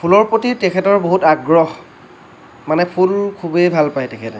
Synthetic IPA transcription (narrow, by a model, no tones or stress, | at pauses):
pʰulɔɹpɹotiɹtɛkʰɛtɔɹboɦutaɡɹɔɦ | manɛpʰulkʰubejbʱalpajtɛkʰɛtɛ